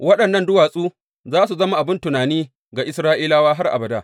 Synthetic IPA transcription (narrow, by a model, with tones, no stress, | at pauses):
wɐ˦ɗɐ˨nːɐ˦ndʊ˦waː˨sʼuː˦ | zaː˦s̬u˨zɐ˦ma˨ʔa˨bɪ˦ntʊ˨naː˨niː˦ | ɡa˨ʔɪ˦sɾaː˦ʔiː˦laː˦waː˦ɦa˦rʔa̰˨bɐ˨daː˦